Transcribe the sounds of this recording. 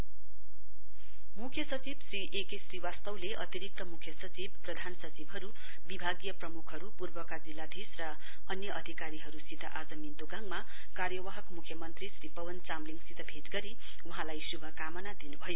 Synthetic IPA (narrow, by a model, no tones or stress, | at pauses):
mukʰjʌsʌt͡sibsriʔekesriwast̪ʌwleʔʌ̰t̪iɾik̚t̪ʌmukʰjʌsʌt͡sibprʌd̪ʱansʌt͡sibɦʌɾu | bibʱaɡjʌprʌmukʰɦʌɾupurbʌkad͡zilːad̪ʱisrʌ | ʌnjʌʔʌd̪ʱikaɾiɦʌɾusit̪a̰ʔad͡zʌmint̪oɡaŋma | kaɾjʌwaɦʌkmukʰjʌmʌnt̪risripʌwʌnt͡samliŋɡsit̪ʰʌbʱet̪ɡʌɾi | wuɦãlajsubʱʌkamʌnad̪inubʱʌjo